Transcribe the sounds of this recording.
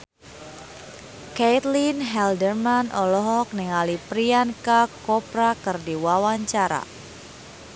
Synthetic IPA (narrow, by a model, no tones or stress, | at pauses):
ket̪linɦɛldərmanʔɔlɔɦɔk̚niŋalipɾiankakɔpɾakɨrdiwawaɲt͡ʃaɾa̰